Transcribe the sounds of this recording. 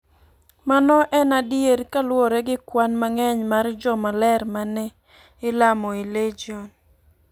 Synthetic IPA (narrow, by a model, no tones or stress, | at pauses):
manɔʔɛnadjeɾkalwɔɾɛɡɪkwanmaŋɛɲmard͡ʒɔmalɛɾmanɛ | ɪlamɔiled͡ʒiɔn